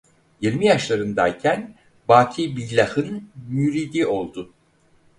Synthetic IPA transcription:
jiɾmijaʃlˠaɾɯnd̪a̰jcʰæn | baːt̪ʰibilʲːahɯnmyɾid̪io̞lˠd̪ʊ

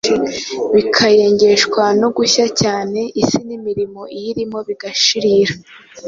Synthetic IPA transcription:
βikʰaje̞ːɲɟe̞ʃkwanoɡuçacaːne̞ʔisinimiɾimo̞ijiɾimo̞βiɡaʃiɾiːɾa

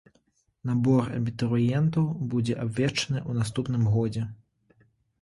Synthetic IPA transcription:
nabɔrɐ̰bʲit̪ɾɨjɛnt̪ɐwbud͡zʲɛʔabʲvʲɛt͡ʂɐnɨʔunast̪upnɨmɣɔd͡zʲɛ

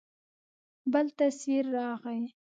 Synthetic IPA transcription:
bəlt̪asiɾːɑɣəj

